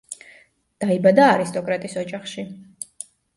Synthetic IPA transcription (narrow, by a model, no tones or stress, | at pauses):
d̪̥aibad̪aːɾist̪ʼɔkʼɾat̪ʼisɔd͡ʒʼaχʃi